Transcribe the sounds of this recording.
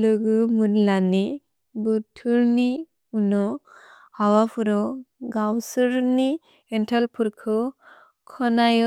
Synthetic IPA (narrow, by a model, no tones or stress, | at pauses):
lɯɡɯmunlani | butʰuɾni | unɔ | hawapʰuɾɔɡawsɯɾni | ɛntʰalpʰuɾkʰɔ | kʰɔnajɔ